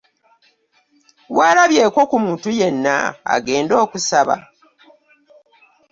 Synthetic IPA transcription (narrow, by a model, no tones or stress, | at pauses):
waːlaβje̞ːko̞kumuːntuje̞nːa̰a̰ɡe̞ːndo̞ːkusaβa̰